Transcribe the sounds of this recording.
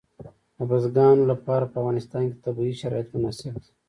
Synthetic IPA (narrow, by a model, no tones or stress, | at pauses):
abazɡɑnlapɑɾapəavɣɑnɪst̪ɑːnke̥t̪abiʃaɾɑ̰jat̪mʊnɑːsibd̪i̥